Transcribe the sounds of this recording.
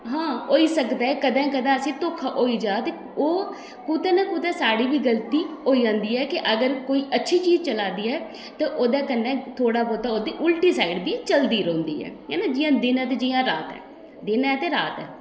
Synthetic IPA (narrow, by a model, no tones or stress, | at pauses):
ɦãːɦoːiːsəkd̪aːɛːkəd̪ãːkəd̪ãːəsĩːt̪okʰaɦoːiːd͡ʒaːt̪e | oː | kuːt̪ɛ̃ːnãːkuːt̪ɛːsaːɽiːʋiːɡəlt̪iːɦoːiːd͡ʒãːnd̪iːɛːkɪʔəɡəɾkoːiːʔətːʃʰiːt͡ʃiːzt͡ʃəlaːd̪iːɛː | t̪ãːʔoːd̪aːkənːɛːt̪ʰoːɽaːpoːt̪aːoːd̪iːʔʊlʈiːsaːɪɖbiːt͡ʃəld̪iːɾõːnd̪ḭːɛ̰ːɦɛ̰ːnaːd͡ʒijãːd̪ɪnɛ̃ːt̪̬eːd͡ʒiːjãːɾaːt̪ɛ̰ː | d̪ɪnɛːt̪eːɾaːt̪ɛ̰ː